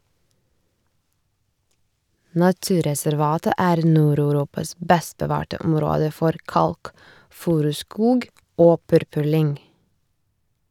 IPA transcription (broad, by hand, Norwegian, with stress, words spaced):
nɑˈtʉːɾɛsæɾˌʋɑːtə ˈæːɾ ˈnuːɾɑʉˌɾuːpɑs ˈbɛst bəˈʋɑːʈə ˈɔmɾoːdə ˈfɔɾ ˈkɑlkˌfʉːɾʉˌskuːɡ ˈoː ˈpʉɾpʉɾˌlʏŋ